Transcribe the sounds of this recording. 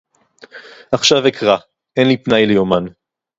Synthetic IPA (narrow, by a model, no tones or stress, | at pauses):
aχʃavekʰʁa | ʔenlipnajlejoman